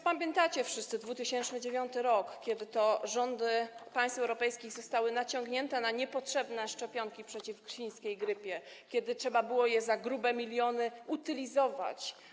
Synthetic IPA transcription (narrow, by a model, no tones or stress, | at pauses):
pamʲjɛnt̪at͡ɕɛfʂɘst̪sɘd̪vut̪ɘɕɛnt͡ʂnɘd͡ʑevʲjɔnt̪ɘɾɔkkʲɛd̪ɘt̪ɔʐɔnd̪ɘpaj̃st̪fɛwɾɔpɛjskʲiɣzɔst̪awɘnat͡ɕɔŋɡɲɛnt̪ɛnaɲɛpɔtʂɛbnɛʂt͡ʂɛpʲjɔŋkʲipʂɛt͡ɕifɡɕij̃skʲejɡɾɘpʲjɛ | kʲɛd̪ɘtʂɛbabɘwɔjɛzaɡɾubɛmʲilʲjɔnɘut̪ɘlʲizɔva̰t͡ɕ